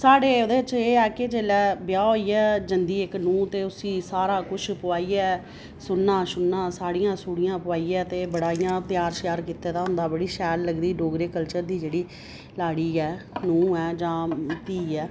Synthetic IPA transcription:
saːɽeːod̪eːt͡ʃeːɛːkeːd͡ʒeːlɛːbjaːɦoːiːɛːd͡ʒənd̪iːɪknũːt̪eːʊsĩːsaːɾaːkʊʃʰpʊaːiːɛː | sʊnːaːʃʊnːãːsaːɽɪjãːsuːɽɪjãːpʊaːiːɛːt̪eːbəɽaːijãːt̪ɪjaːɾʃɪjaːɾkiːt̪ẽːt̪aːɦʊ̃nd̪aːbəɽiːʃɛːlːəɡd̪iːɖoːɡɾeːkəlt͡ʃəɾd̪iːd͡ʒeːɽiː | laːɽiːɛːnũːɛːd͡ʒãːt̪iːɛː

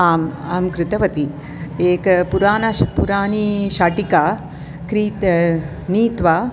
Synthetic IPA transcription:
aːmaːmkɾɪt̪ɐʋɐt̪i | eːkpuɾaːnɐpuɾaːniʃaːʈikaː | kɾiːt̪ | niːt̪ʋa

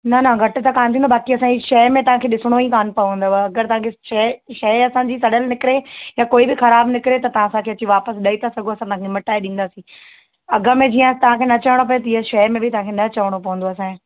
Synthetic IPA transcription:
nɐnɐɡʱɐʈ̆t̪akaːnt̪ĩːnd̪obaːkiɐsãːd͡ʑiʃɐmẽt̪ɐʋ̤ãkʰeːɗɪsɽ̃oikaːnpɐjɦũnd̪aaɐɡəɾt̪ɐʋãːkʰeʃɐʃɐɐsãːd͡ʑiːsɐɽəlnɪkɪɾejakoːibɪxɐɾaːbnɪkɪɾet̪ɐt̪ɐʋ̤ãːsãkʰeɐt͡ɕiʋaːpəsɗɐit̪ʰasɐɡʱoɐsãt̪ɐɦãkʰemɐʈaːeɗĩːn̆d̪aːsĩː | ɐɡəmẽd͡ʑiãt̪ɐʋ̤ãkʰeːnɐt͡ɕɐʋɽ̃op̬ɐjet̪ɐɪɦaʃɐjmẽbʱɪt̪ɐɦãkʰenɐt͡ɕɐʋəɽ̃opɐʋə̃n̆d̪oɐsãːĩ

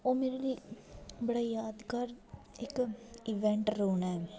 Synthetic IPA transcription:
oːmeːɾeliːbəɽajaːd̪kɐɾɪkɪʋẽɳʈɾuːnɛː

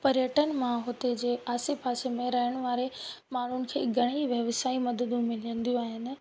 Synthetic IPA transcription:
pɐɾjəʈənmãɦʊt̪ed͡ʑeːaːsepaːsemẽɾɐɦəɽ̃ʋaːɾemaːɳ̤ʊnɪ̆kʰḛːɡʱɐɽ̃iʋjɐʋsaːimɐd̪əd̪ũmɪlə̃nd̪ijũaːɦɪnɪ̆

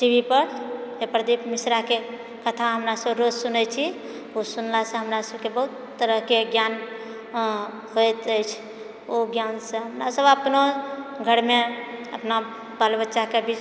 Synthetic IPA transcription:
ʈibʱipəɾepɾəd̪ipmisɾake | kət̪ʰaɦəmɾasəbɾod͡ʒsunɛt͡ʃʰi | osunlasə̃ɦəmɾasəbkebəɦut̪ːəɾəɦkeɡjan | ɦojt̪əjt͡ʃʰ | oɡjansə̃ɦəmɾasəbəpnoɡʱəɾmeə̰pna | balbətːʃakebʱid͡ʒ

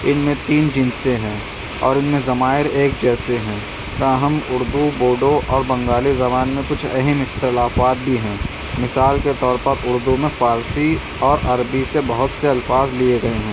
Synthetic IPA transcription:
ɪnmẽt̪iːnd͡ʒɪ̃nsẽɦɛ̃ː | ɔ̰ːɾɪnmẽzɐmaːɪɾeːk̚d͡ʒɛːseɦɛ̃ː | t̪ãɦɐmʊɾd̪uboːɖoʔɔːɾbɐ̃ŋɡaːlizɐbaːnmẽkʊt͡ʃʰɐ̰ɦɛmɪxt̪ɪlaːfaːt̪̚bʱiɦɛ̃ː | mɪsaːlket̪ɔːɾpɐɾʊɾd̪umẽfaːɾsi | ɔːɾʔɐɾbisebɐɦʊt̪seɐlfaːzlieɡɐeɦɛ̃ː

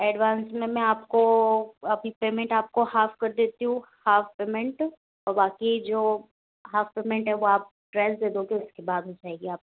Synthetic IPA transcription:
ɛːɖʋãːnsmẽmɛ̃aːpkoɐbʱipeːmɛ̃ɳʈaːp̚kohaːfkɐɾd̪eːt̪iɦũhaːfpeːmɛ̃ɳʈ | ɔːɾbaːkid͡ʒoː | ɦaːfpeːmɛ̃ɳʈɦɛʋoaːp̚ | ɖɾɛsd̪eːd̪oːɡeʊskebaːd̪ɦod͡ʒaːeːɡiaːp̚

